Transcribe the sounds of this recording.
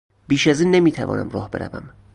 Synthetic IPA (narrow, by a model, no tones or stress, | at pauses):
b̥iːʃæziːnːemiːt̪ʰævɒ̰ːnʔæmrɒːhbe̞ɾæ̰væ̰m